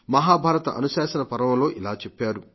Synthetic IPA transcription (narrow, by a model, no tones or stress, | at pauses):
mɐɦaːbʱaːɾɐt̪ɐʔɐ̰nusaːʃɐnɐpɐɾɐmɐlo̞ːʔilaːt͡ʃepːaːɾu